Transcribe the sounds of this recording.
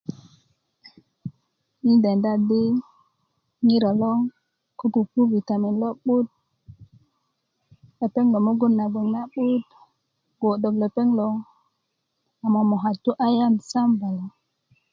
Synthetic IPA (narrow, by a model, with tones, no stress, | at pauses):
i˦de˨nda˦di˦ | ŋi˦ɾo˨lo˦ŋ | ku˦pu˨pu˦bi˨ta˨mi˨nlo˦ɓu˦t̚ | le˨pe˦ŋlo˨mo˦ɡu˦nːa˨ɡe˨ŋna˦ɓu˦t | ɡ̥o˨ɗo˨kle˨pe˦ŋlo˨ŋ | a˨mo˨mo˨ɦa˨tːu˦ʔa˦ja˦nsa˦mba˨lo˨